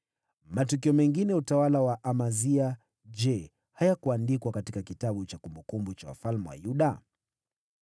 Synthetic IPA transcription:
matukiɔmɛŋɡinɛutawalawaʔamazia | d͡ʒɛ | hajakuandikwakatikakitaɓut͡ʃakumbukumbut͡ʃa̰wa̰falmɛwa̰juɗa

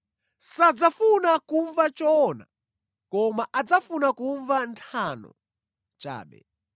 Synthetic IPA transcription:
sad͡zafunakuɱvat͡ʃɔna | kɔmaʔad͡zafunakuɱvantʰanɔ̰ | t͡ʃa̰ːɓɛ̰

